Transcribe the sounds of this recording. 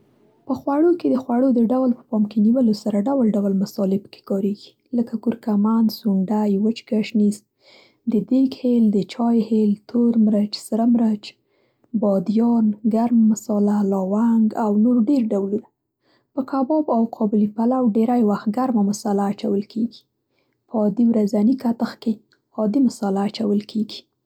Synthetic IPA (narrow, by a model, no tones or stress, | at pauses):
pəxwaɽoked̪əxwaɽod̪əɖawlpə̥pɑmkeniwəlosaɾaɖawlɖawlmasɑlepə̥ke̥kɑɾeɡ̥i̥ | ləkakuɾkamansuɳɖajwət͡ʃɡaʃnist̪̚ | d̪əd̪ekheld̪ət͡ʃɑjhelt̪ʰoɾmɾat͡ʃsəɾamɾat͡ʃ | bɑd̪jɑnɡaɾmamʊsɑlalɑwaŋɡawnoɾɖeɾɖawluna | pəkabɑbawqʰɑbɪlipalawɖeɾajwaxt̪̚ɡaɾmamʊsalaːt͡ʃawəlkʰeɡi̥ | pɑd̪iwɾazanikat̪əxke | ɑd̪imʊsalaːt͡ʃawəlkʰeɡi̥